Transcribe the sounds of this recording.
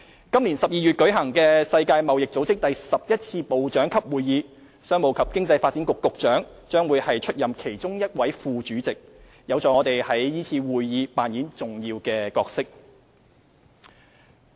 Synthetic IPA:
kɐ˥mliː˨˩nsɐ˨p̚jiː˨jyː˨t̚kɵ˨˥ɦɐ˨˩ŋkɛː˧sɐ˧jkaː˧jmɐ˨wjɪ˨k̚t͡so˨˥wt͡sɪ˥k̚t̪ɐ˨jsɐ˨p̚jɐ˥t̚t͡sʰiː˧po˨wt͡ʃœː˨˥ŋkʰɐ˥p̚wuː˨jːiː˨˧ | sœː˥ŋmo˨˩wkʰɐ˨p̚kɪ˥ŋt͡sɐ˧jfaː˧t̚t͡siː˨˥nkʊ˨kːʊ˨k̚t͡ʃœː˨˥ŋ | t͡ʃœː˥ŋwuː˨˧jhɐ˨jt͡ʃʰɵ˥t̚jɐ˨mkʰe˨˩jt͡sʊ˥ŋjɐ˥t̚wɐ˨˥jfuː˨˧t͡ʃyː˨˥t͡sɪ˨k̚ | jɐ˨˧wt͡sɔː˨˥ŋɔː˨˧t̪e˨jhɐ˨˥jjiː˥t͡sʰiː˧wuː˨jjiː˨˧paː˨njiː˨˥nt͡sʊ˨˩ŋjiː˧wkɛː˧kɔː˧k̚sɪ˥k̚

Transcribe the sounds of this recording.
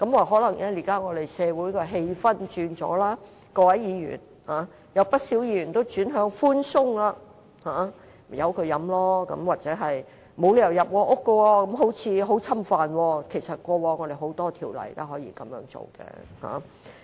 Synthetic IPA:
kɐ˨˥mwaː˨˩ɦɔː˨˥lɐ˨˩ŋnɛː˥li˨˩kaː˥ŋɔː˨˧d̪e˨˩jsɛː˨˧wuː˨˥jkɔː˧ɦe˧jfɐ˥nt͡ʃyː˧nt͡sɔ̰ː˨˥laː˥ | kɔː˧wɐ˨˥jjiː˨˧jy̰ː˨˩n | haː˨˥ | jɐ˨˧wpɐ˥t̚si˨˥wjiː˧ɥyː˨˩nt̪o˥wt͡ʃyː˨˥nɦœː˨˥ŋfuː˥nsʊ˥ŋlaː˧ | haː˨˥˨ | jɐ˨˧wkʰɵ˨˧ɥjɐ˨˧˥mlɔː˥kɐ̰˨˧˥mwaː˨˩k̚t͡sɛː˨˥ɦɐ˨j | mo˨˧wlːɐ˨˩jɐ˨p̚kɔː˧ʔʊ˥kːə˧wɔː˧kɐ˨˥mɦo˨˥wt͡sʰiː˧ɦo˨˥wt͡sʰɐ˥mfaː˨nwɔː˧kʰe˨˩jsɐ˨t̚kʷɔː˧wɔː˧ŋɔː˨˧d̪e˨jɦo˨˥wt̪ɔː˥t̪ʰiː˨˩wlɐ̰˨˩jt̪aː˥hɔː˨˥jḭː˧˩kɐ˨˧˦mjœ̰ː˨˥ŋt͡so̰˨wkɛ̰ː˧ha̰ː˨˥

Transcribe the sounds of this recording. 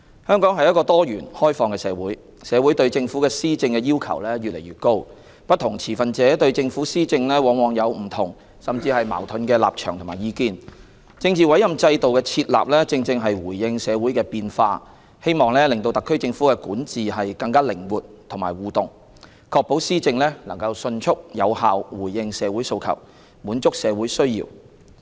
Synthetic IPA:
hœː˥ŋkɔː˨˥ŋɦɐ˨jɐ˥tkɔː˧t̪ɔː˥jyː˨˩nhɔː˥jfɔː˧ŋkɛː˧sɛː˨˧wuː˨˥j | sɛː˨˧wu˨˥jt̪ɵ˧ɥt͡sɪ˧ŋfuː˨˥kɛː˧siː˥t͡sɪ˧ŋkɛː˧jiː˥wkʰɐ̰˨˩wlɛː˥ɥyː˨t̚le˨˩jɥyː˨t̚ko˥w | pɐ˥t̚t̪ʰʊ˨˩ŋt͡sʰiː˨˩fɐ˨nt͡sɛː˨˥t̪ɵ˧ɥt͡sɪ˧ŋfuː˨˥siː˥t͡sɪ˧ŋlɛː˥wɔː˨˧ŋwɔː˨ŋjɐ˨˧wm̩˨˩t̪ʰʊ˨˩ŋ | sɐ˨mt͡siː˧hɐ˨jma̰ː˨˩wt̪ʰɵ˨˧nkɛː˧la̰ː˨p̚t͡ʃʰœ̰ː˨˩ŋt̪ʰʊ˨ŋmaː˨jiː˨˧kiː˧˥n | t͡sɪ˧ŋt͡siː˨wɐ˨˥jɐ˨mt͡sɐ˧jt̪o˨wkɛː˧t͡sʰiː˧t̚la̰ː˨p̚lɛː˥t͡sɪ˧ŋt͡sɪ˧ŋɦɐ˨jwuː˨˩jːɪ˧ŋsɛː˨˧wuː˨˥jkɛː˧piː˧nfaː˧ | he˥jmɔː˨ŋlɛː˥lɪ˨ŋt̪o˧wt̪ɐ˨kʰːɵ˥ɥt͡sɪ˧ŋfuː˨˥kɛː˧kuː˨˥nt͡siː˨ɦɐ˨jkɐ˧ŋkaː˥lɪ˨˩ŋwuː˨˩t̚t̪ʰːʊ˨˩maː˨˩jwuː˨t̪ʊ˨˩ŋ | kʰɔː˧k̚po˨˥wsiː˥t͡sɪ˧ŋlɛː˥lɐ˨˩ŋkɐ˧wsɵ˧nt͡ʃʰʊ˥k̚jɐ˨˧whaː˨wwuː˨˩jːɪ˧ŋsɛː˨˧wuː˨˥jso˧wkʰɐ̰˨˩w | muː˨˥nt͡sʊ˥k̚sɛː˨˧wuː˨˥jsɵ˥ɥjḭː˧w

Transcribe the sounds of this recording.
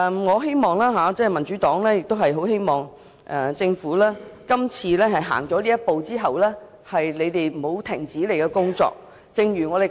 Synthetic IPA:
ŋɔː˨˧ɦe˥jmɔː˨ŋlaː˥ɦaː˨˧t͡sɛː˥˩mɐ˨˩nt͡ʃyː˨˦˥t̪ɔː˨˥ŋlɛː˥jɪ˨k̚t̪o˥ɦɐ˨jɦo˨˥wɦe˥jmɔː˨˩ŋ | ʔɛ˨t͡sɪ˧ŋfuː˨˥laː˥kɐ˥mt͡sʰiː˧lɛː˥hɐ˨jɦa̰ː˨˩ŋt͡ʃɔː˨˥liː˥jɐ˥t̚po˨˧wt͡siː˥ɦɐ˨wlɛː˥ | hɐ˨jle˨˧jt̪e˨jm̩˨o˨˧wt̪ʰɪ˨˩ŋt͡siː˨˥le˨˩jkɛ˧kʊ˥ŋt͡sɔ̰ː˧k̚ | t͡sɪ˧ŋjyː˨˩ŋɔ˨˧e˨˩

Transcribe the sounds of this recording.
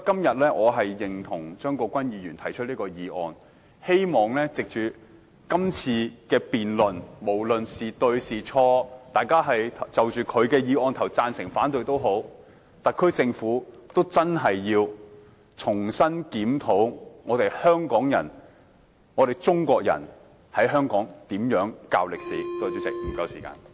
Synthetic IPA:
kɐ˥mjɐ˨t̚lɛː˥ʔɔː˨˧ɦɐ˨jːɪ˨ŋt̪ʰʊ˨˩ŋt͡ʃœː˥ŋkɔː˧kʷwɐ˥njiː˨˧jyː˨˩nt̪ʰɐ˨˩jt͡ʃʰɵ˥liː˥kɔː˧jiː˨˧ʔɔ̰ː˧n | he˥jmɔː˨˩ŋlɛː˥t͡sɪ˨k̚t͡ʃyː˨ | kɐ˥mt͡sʰiː˧kɛː˧piː˨nlɵ˨˩nmo˨˩wlɵ˨nsiː˨t̪ɵ˧ɥsiː˨t͡ʃʰɔː˧t̪aː˨˧jkaː˥ɦɐ˨jt̪ʰɐ˨˩t͡sɐ˨wt͡ʃyː˨˩kʰɵ˨˧ɥkɛː˧jiː˨˧ʔɔː˧nt̪ʰɐ˨˩wt͡saː˧nsɪ˨˩ŋfaː˨˥nt̪ɵ˨˧ɥt̪o˥wɦo˨˥w | t̪ɐ˨kʰːɥt͡sɪ˧ŋfuː˨˥t̪o˥wt͡sɐ˥nɦɐ˨jjiː˧w | t͡sʰʊ˨˩ŋsɐ˥nkiː˨˥mt̪ʰo˨˥wŋɔː˨˧t̪e˨jhœː˥ŋkɔː˨˥ŋjɐ̰˨˩n | ŋɔː˨˧ɾe˨jt͡sʊ˥ŋkʷɔː˧k̚jɐ̰˨˩n | hɐ˨˥jɦœː˥ŋkɔː˨˥ŋt̪iː˨˥mjœː˨˥ŋka̰ː˧wlɪ˨k̚sḭː˨˩t̪o˧t̪y˨˥t͡sɪ˨˩k̚m̩˨˩kɐ˧wsiː˨˩ka̰ː˧n

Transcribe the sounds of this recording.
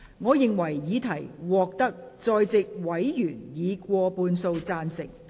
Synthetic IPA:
ŋɔː˨˧jɪ˨ŋwɐ˨˩jjiː˨˧t̪ʰɐ˨˩jwɔː˨k̚t̪ɐ˥k̚t͡sɔː˧jt͡sɪ˨k̚wɐ˨˥jjyː˨˩njiː˨˧kʷɔː˧puː˧nso˧wt͡saː˧nsɪ˨˩ŋ̚

